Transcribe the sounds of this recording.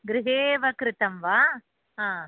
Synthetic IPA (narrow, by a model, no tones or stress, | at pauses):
ɡɾɪɦeːʋɐkɾɪt̪ɐmʋaː | ɦãː